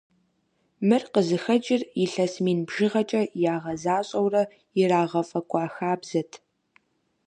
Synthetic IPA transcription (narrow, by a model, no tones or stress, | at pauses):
mɨrqəzɨxɐd͡ʒʼɪriɬɐsmiːnbʒɪʁɐt͡ʃʼɐjaːʁɐzaːɕʼɐwrɐ | ɪraːʁɐfʼɐkʷʼɑːxaːbz̥ɐtʰ